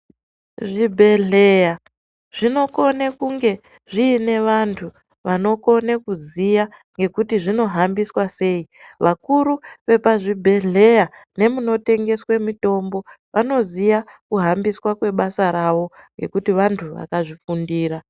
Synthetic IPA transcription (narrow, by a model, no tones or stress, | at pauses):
ʐibʱe̞ɮeja | ʐ̥ino̞ko̞nekuŋɡe̞ | ʐiːne̞ʋantʰu | ʋano̞ko̞nekuzija | ŋɡe̞kutiʐino̞ɦambiswase̞ːi | ʋʔakuɾuʋe̞paʐibʱe̞ɮe̞jane̞muno̞te̞ŋɡe̞swemito̞mbo̞ | ʋano̞zijakuɦambiswakwe̞ɓasaɾaʋo̞ŋɡe̞kutiʋantʰuʋa̰kaʐifundiːra